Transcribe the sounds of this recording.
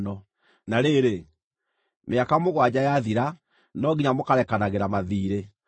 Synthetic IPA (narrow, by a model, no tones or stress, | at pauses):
nɔ | naɾeɾe | meakamoɣwad͡ʑajaðiɾa | nɔɣiɲamokaɾɛkanaɣeɾamaðiːɾe